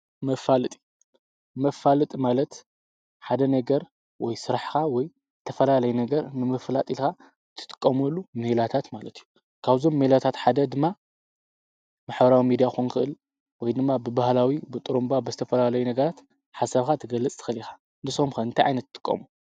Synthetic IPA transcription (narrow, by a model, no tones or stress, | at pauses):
mɐfalɨt̪ʼi̥ | mɐfalɨt̪ʼimalɐt̪ | ħad̪ɐnɐɡɐɾ | wɔjsɨɾaħkawɔj | ɨt̪ʰɐfɐlalɐjunɐɡɐɾnɨmɐflat̪ʼilxa | t̪ʰːɨ̥t̪ʼɨ̥kʼːɐmulːumelat̪ʰat̪malɐt̪ʰiju | kʰaβzo̞mːelat̪ʰat̪ħad̪ɐd̪ɨmːa | maħbɐɾawimid̪ijaxunkʰɨʔɨl | wɔjd̪ɨmːabɨbahlawibɨt̪ʼɨɾumbabɨzɨt̪ʰɐfɐlalɐjunɐɡɐɾat̪ | ħasɐβxat̪ʰɨɡɐlːɐt͡sʼt̪ʰɨ̥xɨlixḁ | nɨsomxɐɨnt̪ʰajʕa̰jnɐt̪ːt̪ʼɨ̥kʼːɐ̰mu